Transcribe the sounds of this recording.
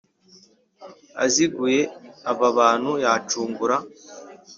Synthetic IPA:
a̰ziɡuje̞aβaβaːn̥hujaːt͡ʃuːŋɡuɾa

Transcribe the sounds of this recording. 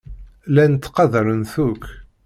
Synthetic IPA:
lænət̪ːqɑðəɾənθukː

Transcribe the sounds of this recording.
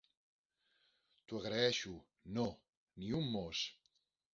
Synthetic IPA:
t̪uaɣɾaɛʃu | no | niumːos

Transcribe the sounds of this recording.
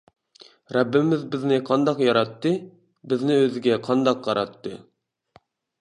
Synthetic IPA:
ɾɛbːɪmɪzbɪznɪqʰɑnd̪ɑqjɑɾɑt̪ːɨ | bɪznɪøzɪɡʲɛqʰɑnd̪ɑqʰːɑɾɑt̪ːɨ̰

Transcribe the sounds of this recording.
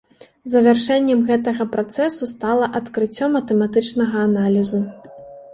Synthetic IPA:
zɐvʲarʂɛnʲːɛmɣɛt̪ɐɣɐpɾat̪sɛsust̪alˠɐʔɐt̪kɾɨt͡sʲːɔmɐt̪ɛmat̪ɨt͡ʂnɐɣɐːnalʲizu

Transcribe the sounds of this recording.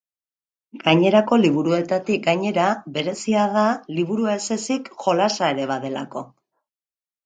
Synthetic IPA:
ɡ̥aɲe̞ɾako̞liβ̞uɾue̞t̪at̪ik̚ɡaɲe̞ɾaβe̞ɾe̞siaðaliβuɾuaese̞sikʝo̞lasae̞ɾe̞βaðe̞lako̞

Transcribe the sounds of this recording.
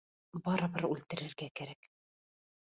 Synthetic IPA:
bɑɾɤ̆βɤɾʉlt̪ɘ̆ɾɘ̆ɾɡækæɾæk

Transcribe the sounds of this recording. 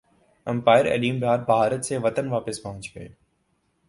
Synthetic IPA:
ɐ̃mpaːɪɾɛ̰ːɗiːmbʱaːɾbʱaːɾət̪seːʋət̪ənʋaːpɪspɐ̃ɦʊ̃ɲt͡ʃʋḛː

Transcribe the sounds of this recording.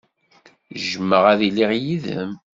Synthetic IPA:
ʒəmːəʁæðiliʁjiðə̰m

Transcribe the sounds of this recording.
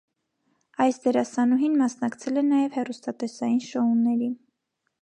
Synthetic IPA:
ɑjsd̪ɛɾɑsɑnuɦinmɑsnɑkt͡sʰɛlɛnɑjɛvhɛrust̪ɑt̪ɛsɑjinʃɔunːɛɾin

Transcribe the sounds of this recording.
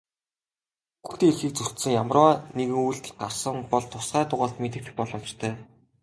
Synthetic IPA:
ɡuxt̪eːeɮxiːk̚t͡sɵr̥t̪sɘ̆ŋjamrɔːneɣɘ̆ŋujɮt̪ɘ̆ɮɢarsə̆ŋpɔɮt̪ʰʊsχɢæːt̪ʊʁaːɮt̪met̪̬ɘ̆k̚t̪ɘ̆xpɔɮɞ̆mt͡ɕt̪ʰœː

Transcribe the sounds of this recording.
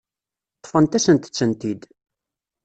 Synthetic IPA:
t̪ˤːfənt̪æsənt̪ə̥t͡sːənt̪id̪

